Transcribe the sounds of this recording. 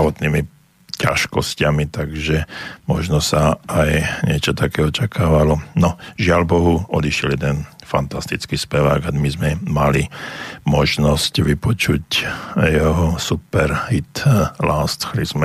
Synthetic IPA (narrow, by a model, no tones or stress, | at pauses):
ʋɔt̪niːmi | ca̰ʃkɔscamit̪aɡʒɛmɔʒnɔsaajɲɪɛt͡ʃɔt̪akɛːɔt͡ʃakʰaːʋalɔnɔʒɪalbɔɦuɔd̪iʃɪɛljɛd̪ɛnfant̪ast̪it͡skiːspɛʋa̰ːɡamizmɛmalimɔʒnɔscʋipɔt͡ʃucjɛɦɔsupɛɾhit̪laːst̪xlizmɛ